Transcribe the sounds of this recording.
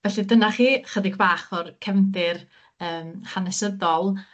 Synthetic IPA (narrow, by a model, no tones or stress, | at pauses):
vɛɬidənaχiːχədɪɡbaːχɔrkʰɛvndɪr | əːmhanɛsəðɔlˠ